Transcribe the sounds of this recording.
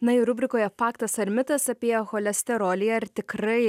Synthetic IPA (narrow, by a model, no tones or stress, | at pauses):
nɐɪɾʊbʲɾʲɪkoːjɛpɑːkt̪ɐsɐɾʲmʲɪt̪ɐsɐpʲeːjɛxoːlʲɛsʲt̪ʲɛɾoːlʲɪjɛɐɾt̪ʲɪkɾɐɪ